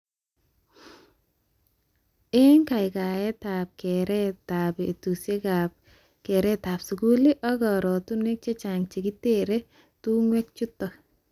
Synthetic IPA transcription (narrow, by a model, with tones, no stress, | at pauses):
e˦ŋka˨ɪ˨ka˨jɛ˦ta˨p̚kɛ˨ɾɛ˦tabe˨tu˨se˦ka | kɛ˨ɾɛ˦ta˨psu˨ku˦li˦ʔɔ˦ɡɔ˨ɾɔ˨tu˦nwe˦k̚t͡ʃe˦t͡ʃa˨ŋt͡ʃi˨ki˦te˦ɾe˦ | tu˦ŋwe˦k̚t͡ʃu˦tːɔ˨